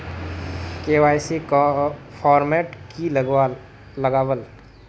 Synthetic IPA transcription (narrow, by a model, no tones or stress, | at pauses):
keːʋaːjsi | pʰɔːɾmɛːʈkilː | əɡaːwəl